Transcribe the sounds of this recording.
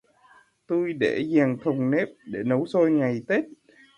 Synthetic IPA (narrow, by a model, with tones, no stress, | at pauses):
t̪u˧jɗe˧˩zaː˨˩ŋt̪ʰʊ˨˩ŋ͡mne˦˥p̚ɗe˧˩nə˨˦wso˧jŋa˨˩jt̪e˦˥t̚